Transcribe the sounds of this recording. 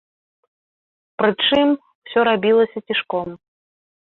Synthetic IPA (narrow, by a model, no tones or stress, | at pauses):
pɾɨt͡ʂɨm | wsʲɔɾabʲilˠɐsʲɐt͡sʲiʂkɔm